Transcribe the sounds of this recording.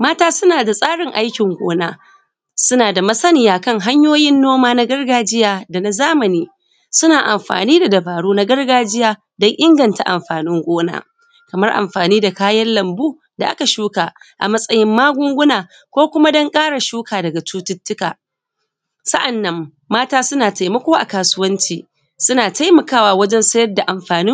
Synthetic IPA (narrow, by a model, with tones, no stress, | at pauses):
maː˦taː˦sʊ˦naː˨da˨sʼaː˦ɽɪ˨ŋʔa˦jkʲɪ˨ŋɡʷo̰ː˦naː˦ | sʊ˦naː˨da˨mɐ˦sɐ˦nɪ˨jaː˨kɐ˦ŋɦa˦ɲjoː˦jɪ˦nːoː˦maː˦na˦ɡɐ˦rɡaː˨d͡ʒɪ˦jaː˨da˨na˨zaː˦mɐ˨niː˦ | sʊ˦naː˨ʔa˨mɸa̰ː˨niː˦da˨dɐ˨baː˨ɽuː˦na˦ɡɐ˦rɡaː˦d͡ʒɪ˦jaː˦ | dɔ˦ŋʔɪ˦ŋɡɐ˨nta˨ʔa̰˨mɸaː˨nɪ˦ŋɡʷoː˦na̰ː˦ | kɐ˨mɐ˦rʔa̰˨mɸaː˨niː˦da˨kaː˦jɐ˦nlɐ˨mbuː˦ | da˨ʔa̰˦ka˨ʃuː˦kaː˨ʔa̰˨mɐ˦sʼɐ˦jɪ˦mːaː˦ɡʷʊ˦ŋɡʷʊ˦naː˨ | kʷoː˦kʷʊ˦ma˦dɐ˦ŋkʼaː˦ɽa˨ʃuː˦kaː˨dɐ˨ɡa˨t͡ʃuː˦tʊ˦tːʊ˦ka̰ː˨ | sɐ˦ʔa˨nːɐ˦mː | aː˦taː˦sʊ˦naː˨ta˨jmɐ˦kʷoː˦ʔa̰˨kaː˨sʊ˦wɐ˦nt͡ʃiː˨ | sʊ˦naː˨tʰa˦jmɐ˨kaː˦waː˨wɐ˦d͡ʒɛ˦nsɐ˦jɐ˦rda˨ʔa˨mɸaː˨nɪ˦